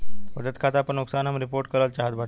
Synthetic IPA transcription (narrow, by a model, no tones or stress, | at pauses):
ʋəd̪ət̪kʰat̪aːpəɳuksanɦamɾipoɾʈ̚kəɾəlt͡ɕaɦət̪bʱaʈ